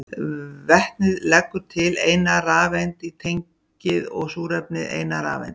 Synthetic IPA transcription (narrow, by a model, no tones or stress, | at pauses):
vɛht̪nɪðlɛkːʏɾt̪ʰɪlejnaraːvɛnt̪it̪ʰejɲ | ɪðɔɣsuːɾɛpnɪðḛjnaɾa̰ːvɛ̰nt̪